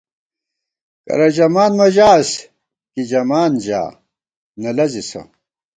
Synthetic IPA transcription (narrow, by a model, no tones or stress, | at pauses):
kɐ̰ɾɐd͡ʑɐmaːnmɐd͡ʑaːs | kid͡ʑɐmaːnd͡ʑa̰ː | nɐlɐzisɐ̰